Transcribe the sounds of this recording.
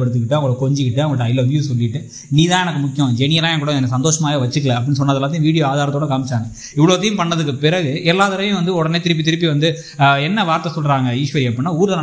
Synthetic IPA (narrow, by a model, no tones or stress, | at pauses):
pːɐɽɯt̪ːɯkːɪʈːɯɐʊŋɡɐɭɐkɔɲd͡ʒɯkːɪʈːɯɐŋɡɐɭːʈːɐɪlɐʋjuːsɔlːɪʈːɯ | niːðãːjɛnɐkːɯmʊkːɪjɐ̃d͡ʒɛnɪjɐɾaːjẽŋkuːɽɐ̃nːɐsɐnd̪oːʂɐmaːɣeːʋɐt͡ʃːɯkːɐɭɐɐpːɽɪnːsɔnːɐðɛlːaːt̪ɐj̃ʋiːɽɪjoːaːðaːɾɐt̪ːoːɽɐkaːmɪt͡ʃːaːŋɡɐ | ɪʋɐɭoːt̪iːmpɐɳːɐðɯkːɯpɪɾɐɣɯʔɛlːaːðɐɾɐjʊ̃ʋɐnd̪ɯɔɽɐneːt̪ɪɾɯpːit̪ɪɾɯpːiʋɐnd̪ɯ | ɛnːɐʋaːɾt̪ɐsɔlɾaːŋɡɐiːʂʋɐɾɪjɐːpːɐnːaːuːɾɯðɐ